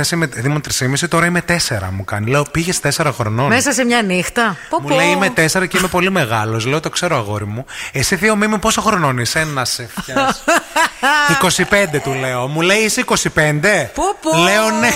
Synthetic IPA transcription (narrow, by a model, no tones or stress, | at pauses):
esimeðimot̪ɾisimisit̪o̞ɾɐime̞t̪e̞se̞ɾɐ̰mukɐ̰nileopiʝest̪e̞se̞ɾɐxɾonomesɐsemɲɐnixt̪ɐpmuleiimet̪e̞se̞ɾɐceime̞po̞lime̞ɣɐlo̞sle̞ot̪o̞kse̞ɾoɐɣo̞̰ɾimuesiθio̞mimipo̞soxɾono̞nisenɐsefɐs | iko̞sipe̞nd̪e̞t̪ule̞omule̞iisiiko̞sipe̞nd̪e̞poleone